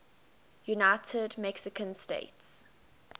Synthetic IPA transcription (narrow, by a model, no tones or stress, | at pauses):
junaɪtʰədmɛksɪkʰə̃nstḛɪts